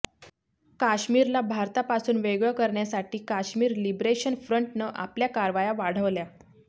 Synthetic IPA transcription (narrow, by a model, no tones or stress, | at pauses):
kaɕmiːɾlabʱaɾt̪apasuːnʋeɡɭəkəɾɳjasaʈiːkaɕmiːɾlibɾeɕənfɾəɳʈnəʔa̰pljakaɾʋajaʋaɽ̤əʋlja